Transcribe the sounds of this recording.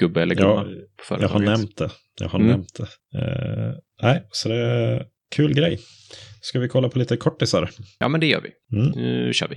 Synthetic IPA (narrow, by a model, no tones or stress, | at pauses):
ɡ̥ɵbːəɛlːəjɑːpʰɔ̥fœ̰ɾɑːɡhanɛmt̪̚d̪ɛ | jɑ̰ːɡhanɛmt̪̚d̪ɛ | næɪsɔd̪ɛ | kʰʉ̟ːlɡɾɛjː | skavɪkʰɔlːapʰɔliːt̪əkʰɔʈːɪsaɾjɑ̰ːmɛnd̪ɛjœ̰ːɾʋɪ̰ | m̩nʉ̰ɕœ̰ːɾʋɪ